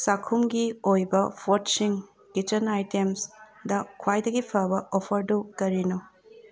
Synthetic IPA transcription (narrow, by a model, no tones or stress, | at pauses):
sakʰumɡiojbɐpʰotsiŋ | kit͡ʃɐnajtems | dɐkʰwajdɐɡipʰɐbɐʔopʰɐɾdukɐɾinu